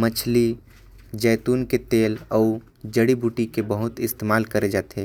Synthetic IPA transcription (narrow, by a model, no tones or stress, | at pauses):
mət͡ʃʰli | d͡ʒɛːt̪uːnket̪eːlɔː | d͡ʒəɽibʱuːʈikebəɦʊt̪ɪst̪eːmaːlkəɾed͡ʒaːt̪eː